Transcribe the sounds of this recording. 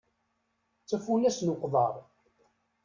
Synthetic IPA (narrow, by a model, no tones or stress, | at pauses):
t͡sːæfulæsnoqðˤə̰ɾˤ